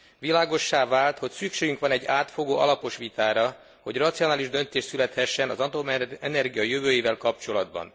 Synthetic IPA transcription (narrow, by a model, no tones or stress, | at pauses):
ʋilaːɡo̞ʃːaːvaːlt̪ho̞csykʃeːɡyŋkʋɒnɛɟːaːt̪fo̞ɡoːʔɒ̰lɒpo̞ʃʋit̪aːɾɒ | ho̞ɟrɒt̪sijo̞naːliʒd̪ø̞nt̪eːʃt̪sylɛt̪hɛʃːɛnɒzɒnt̪omɛnɛrɡijɒjøvøːjivɛlkɒp̚t͡ʃo̞lɒd̪bɒ̰n